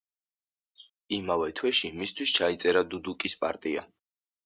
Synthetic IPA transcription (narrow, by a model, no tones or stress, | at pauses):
imavɛt̪ʰwɛʃimist̪ʰwist͡ʃʰait̪sʼɛɾad̪ud̪ukʼispʼa̰ɾt̪ʼia